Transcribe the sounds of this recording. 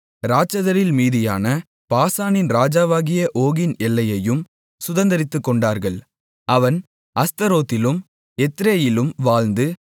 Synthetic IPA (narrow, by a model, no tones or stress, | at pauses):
ɾaːt͡ʃːɐðɐɾɪlmiːðɪjaːnɐ | paːsaːnɪnɾaːd͡ʒaːʋaːɣɪjɐʔoːɣɪnɛlːɐjɐjɯm | sʊðɐnd̪ɐɾɪt̪ːɯkːɔɳɖaːɾɣɐɭ | ʔɐʋɐn | ɐst̪ɐɾoːt̪ːɪlɯm | ɛt̪ːɾeːjɪlɯmʋaːlnd̪ɯ